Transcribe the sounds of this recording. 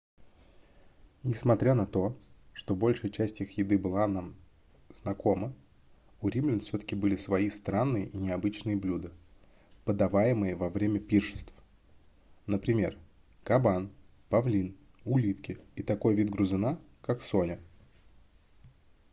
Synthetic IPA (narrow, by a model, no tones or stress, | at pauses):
nʲɪsmɐt̪ɾʲanɐt̪o̞ʂt̪o̞bo̞lʲʂɨjət͡ɕæsʲtʲixjɪd̪ɨbɨlˠanam | z̥nɐko̞mə | ʊɾʲimlʲɪnfsʲot̪ə̥kʲɪbɨlʲɪsvɐist̪ɾanːɨjəʔinʲɪɐbɨt͡ɕnɨjəblʲud̪ɨ | pəd̪ɐvajɪmɨjəvɐvɾʲemʲəpʲirʂɨ̥st̪f | nəpɾʲɪmʲe̞̰r | kɐban | pɐvlʲin | ʊlʲit̪kʲɪit̪ɐko̞jvʲid̪ɡɾʊzɨna | kakso̞nʲɪ